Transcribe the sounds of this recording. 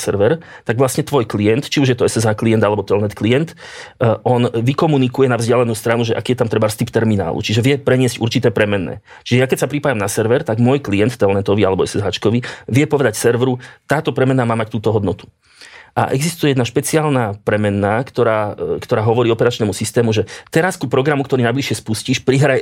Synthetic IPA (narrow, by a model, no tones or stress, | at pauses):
sɛɾʋɛɾt̪aɡʋlasɲɛt̪ʋɔjklijɛnt̪t͡ʃiuʒjɛt̪ɔɛsɛzaːklijɛnd̪alɛbɔt̪ɛlnɛt̪klijɛnt̪ʔɔnʋikɔmunikujɛnavzɟɪalɛnuːst̪ɾanuʒɛʔa̰kiːjɛt̪amt̪ɾɛbaɾst̪ipt̪ɛɾmina̰ːlṵt͡ʃiʒɛʋɪɛpɾɛɲɪɛzcṵɾt͡ʃit̪ɛːpɾɛmɛnːɛ̰ː | t͡ʃiʒɛjakɛcsapɾipaːjamnasɛɾʋɛɾt̪aɡmʊɔjklijɛnt̪ːɛlnɛt̪ɔʋialɛbɔɛsɛzɦaːt͡ʃkɔʋiʋɪɛpɔʋɛd̪acsɛɾʋɾut̪aːt̪ɔpɾɛmɛnːaːmaːmact̪uːt̪ɔɦɔd̪nɔt̪u̥ | ʔa̰ʔɛɡzist̪ujɛjɛd̪naʃpɛt͡siaːlnaːpɾɛmɛnːaːkt̪ɔɾaːkt̪ɔɾaːɦɔʋɔɾiːɔpɛɾat͡ʃnɛːmusist̪ɛːmuʒɛt̪ɛɾaskupɾɔɡɾamukt̪ɔɾinajbliʃɛspusciʃpɾiɦɾaj